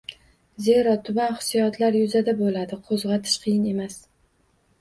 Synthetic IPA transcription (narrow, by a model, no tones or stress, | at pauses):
ze̞ɾɒt̪ʰʊbanχɨ̥sijɒt̪ʰlaɾjʊzad̪abolad̪ɪqʰozʁɑt̪ʰɪ̥ʃqʰɨjɪne̞mas